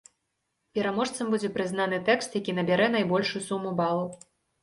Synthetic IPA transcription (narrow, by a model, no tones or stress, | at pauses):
pʲɛɾamɔʂt̪sɐmbud͡zʲɛpɾɨznanɨt̪ɛkst̪jakʲinɐbʲaɾɛn̪ajbɔlʲʂusumːubalˠu